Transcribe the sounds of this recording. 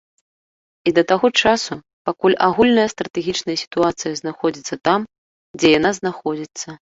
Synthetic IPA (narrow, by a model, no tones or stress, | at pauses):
id̪ɐt̪aɣɔt͡ʂasu | pakulʲʔaɣulʲnɐjɐst̪ɾɐt̪ɛɣʲit͡ʂnɐjɐsʲi̥t̪uat̪sɨjɐznaxɔd͡zʲit̪sːɐt̪am | d͡zʲɛjanaznaxɔd͡zʲit̪sːɐ